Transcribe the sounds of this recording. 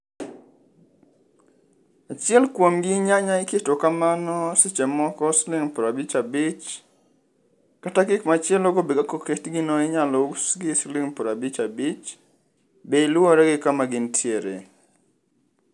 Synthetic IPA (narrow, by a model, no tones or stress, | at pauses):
at͡ʃɪɛlkwomɡɪɲaɲaɪketokamanɔsɪt͡ʃemɔkɔslɪŋpɔɾabit͡ʃabɪt͡ʃ | katakɪkmat͡ʃɪɛloɡobeɡakoketɡɪnɔɪɲalouksɡɪslɪŋpɔɾabit͡ʃabit͡ʃ | beɪlwɔɾɛɡɪkamaɡɪntʰjeɾḛ